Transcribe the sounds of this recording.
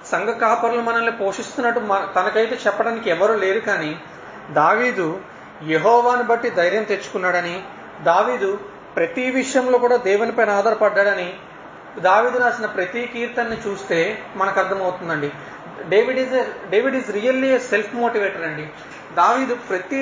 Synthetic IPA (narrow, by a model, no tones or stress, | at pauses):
sɐŋɡɐkaːpɐɾulumɐnɐmːipo̞ːʂist̪unːɐʈːumɐt̪ɐnɐkɐjt̪e̞ːt͡ʃɛpːɐɽaːnikiɛʋɐɾuːle̞ːɾukaːni | d̪aːʋiːd̪u | jeɦɔːʋaːnubɐʈːid̪ɐjɾjɐmt̪e̞t͡ʃːu̥kunːaːɽɐni | d̪aːʋiːd̪u | pɾɐt̪iʋiʂjɐmlo̞ːkuːɽaːd̪ɛːʋunipɐjnaːd̪ɐɾɐpɐɖːaːɽɐni | d̪aːʋiːd̪unaːsinɐpɾɐt̪ikiːɾt̪ɐnːit͡ʃuːst̪e̞ːmɐnɐkɐɾd̪ʰʱɐmɐwt̪und̪ɐɳɖi | ɖeʋiɖizɖeːʋiɖiːzɾijɐlːiese̞lpʰmoːʈiʋeːʈɐɾɐɳɖi | d̪aːʋiːd̪upɾɐt̪i